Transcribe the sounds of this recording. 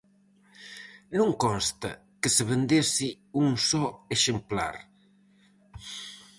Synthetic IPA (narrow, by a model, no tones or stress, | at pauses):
nũŋkɔnst̪ɐ̰ | keseβend̪esi | uŋsɔeʃempla̰ɾ